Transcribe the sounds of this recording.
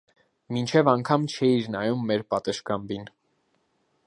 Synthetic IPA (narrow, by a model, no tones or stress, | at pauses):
mint͡ʃʰɛvɑŋkʰɑmt͡ʃʰɛiɾnɑjumːɛɾpɑt̪əʃkɑmbin